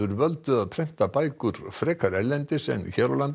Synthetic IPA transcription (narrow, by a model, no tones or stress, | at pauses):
ʏɾvœlt̪ʏaðpʰɾɛjm̥t̪apaːjkʏɾ̥fɾɛːkʰaɾɛɾlɛnt̪ɪsɛ̰mçɛːɾalant̪